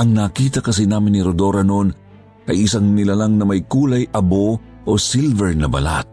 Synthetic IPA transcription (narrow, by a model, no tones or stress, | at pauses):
ʔɐŋnaːkiːt̪ɐkɐs̬inaːmɪnːiɾod̪oɾɐnon | ʔɐjɪsɐŋnɪlalaŋnɐmɐjkuːlɐjʔɐbo | ʔosilvɛɹnɐbɐ̰la̰t̪̚